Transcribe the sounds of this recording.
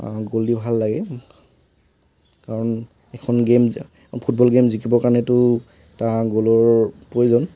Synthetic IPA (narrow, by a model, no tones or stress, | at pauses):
ɡolibʱalːaɡɛ | kaɹɔn | ɛkʰɔnɡem | pʰut̚bɔlɡemzikibɔkaɹnɛtʊ | tãɡolɔɹpojzɔn